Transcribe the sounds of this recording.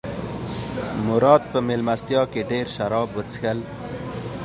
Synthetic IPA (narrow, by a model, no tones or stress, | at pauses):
mʊɾɑːd̪̚pəmelmast̪jɑkeɖeɾʃaɾɑːbwət͡sə̥xəl